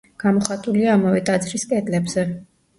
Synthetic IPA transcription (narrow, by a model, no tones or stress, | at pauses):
ɡ̥amɔχat̪ʼuliaːmavɛt̪ʼad̪zɾiskʼɛd̪ʼlɛbz̥ɛ